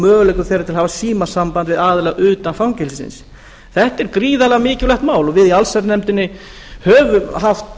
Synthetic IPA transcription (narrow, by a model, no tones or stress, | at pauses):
mœːɣlɛjkʏ̥θɛjɾat̪ʰɪlhavasiːmasampant̪vɪðaːðɪlɛɣʔʏːt̪anfawŋcɛlsɪsɪ̰ns | θɛht̪ɛɾkɾiːðalɛɣamɪːcɪvlɛhxt̪maːwlɔvɪðialsɛɾt̪nɛmt̪ɪnːɪ | hœːvʏmɦaft̪